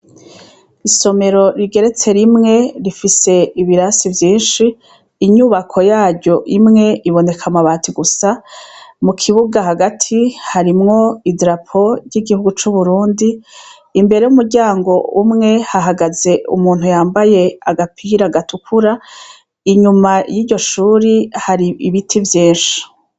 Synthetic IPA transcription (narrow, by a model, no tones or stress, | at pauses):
iso̞me̞ɾo̞ɾiɡe̞ɾe̞t͡se̞ɾimŋe̞ɾifise̞iβiɾasivjiːnʃiː | ɲuβakʰo̞jaːɾɟo̞ʔimŋe̞ʔiβo̞ne̞kʰamaβaːtʰiɡusa | mukʰiβuɡaɦaɡatʰihaɾimŋo̞idɾapʰo̞ɾɟiɡihuɡut͡ʃuβuɾuːndiː | mbe̞ɾe̞jumuɾɟaːŋɡo̞umŋe̞haɦaɡaze̞ʔṵmuːnhujaːmbaje̞aɡapʰiɾaɡatukʰuɾa | iɲumajiːɟo̞ʃuːɾihaɾiʔiβitʰivjiːnʃi̥